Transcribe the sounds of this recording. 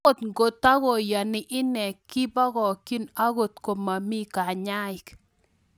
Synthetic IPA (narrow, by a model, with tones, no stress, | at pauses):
o˦˨t̪ŋɡo˨ta˦ɣɔ˨ja˨nɪ˨ʔɪ˦nɛ˨kːɪ˦ba˦ɣɔ˨ki˦na˦ɣo˨t̪ko˨ma˨mi˦ka˨ɲa˦ɪ˨k